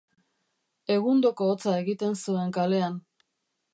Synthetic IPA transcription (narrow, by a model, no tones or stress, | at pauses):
e̞ɣ̞und̪o̞ko̞ːt͡sae̞ɣit̪e̞nsue̞ŋkale̞an